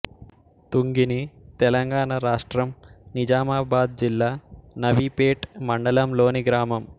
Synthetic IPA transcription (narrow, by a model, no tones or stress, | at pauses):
t̪uŋɡinit̪ɛlɐŋɡaːɳaɾaːʂʈɾɐmnid͡ʒaːmaːbaːd̪̚d͡ʒilːaːnɐʋipeːʈmɐɳɖɐlɐmlo̞ːniɡɾaːmɐm